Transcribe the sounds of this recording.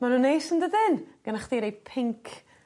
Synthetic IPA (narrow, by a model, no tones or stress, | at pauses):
manunejsəndəðɪnɡ̥ənaχdiːɾejpʰɪŋkʰ